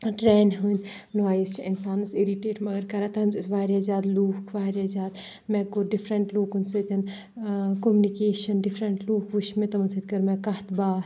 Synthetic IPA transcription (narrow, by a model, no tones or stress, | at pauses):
ʈɾɛːnɦun | naːizt͡ʃʰinsaːnɨsiɾiʈeːʈmɐɡɐɾkɐɾaːt̪ɦɐmzsʋaːɾjaːzʲjaːd̪luːkʰʋaːɾʲjaːzjaːd̪ | mɛ̃ːkoɖifʰɾɐɳʈloːkunsut̪ʲɐn | komunikeːʃɐnɖifʰɾɐɳʈloːkʰʋuʃmẽt̪ɐmɐnsʰɐt̪kɐɾmɛ̃ːkɐht̪baːs